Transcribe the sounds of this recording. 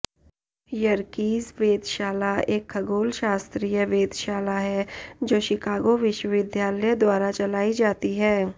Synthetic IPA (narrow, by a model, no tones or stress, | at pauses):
jɐɾkiːzʋeːd̪ʃaːlaeːkʰːɐɡoːlʃaːst̪ɾiːjəʋeːd̪ʃaːlaɦɛd͡ʒoːʃɪkaːɡoʋɪʃwəʋɪd̪ʱjaːləjəd̪waːɾat͡ʃɐlaːid͡ʒaːt̪iɦɛː